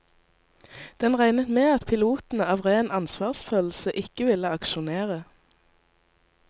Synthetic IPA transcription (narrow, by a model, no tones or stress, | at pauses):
d̪̥ɛnʁæɪnət̪meːɑt̪pʰɪluːt̪n̩ɑːʋʁeːnɑnsʋɑːʁsføːll̩səʔɪkəʋɪləɑkʃʊneːʁə